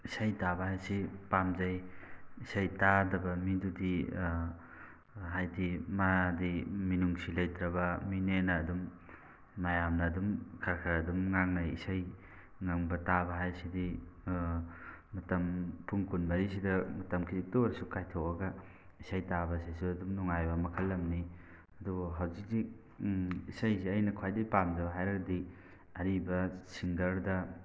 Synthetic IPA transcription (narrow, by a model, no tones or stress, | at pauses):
isajtabɐhajsipamzajisajtadɐbɐmidudi | ɦajdimadiminuŋsilajtɾɐbɐminenaːdumː | ajamnɐːdumkʰaɾkʰaɾɐdumŋaŋnajḭsaj | ŋaŋbɐtabɐɦajsidi | ɐtɐmpʰuŋkunbɐɾisidɐmɐtɐmkʰizik̚toɐɾsukajtʰok̚ɐɡɐ | isajtabɐsisuɐdumnuŋajbɐmɐkʰɐlːɐmni | ɐdubɦawzik̚zi | isajziɐjnɐkʰwajdɐpamdɐbɐɦajɾɐɡɐdi | ɐɾibɐsiŋɡɐɾdɐ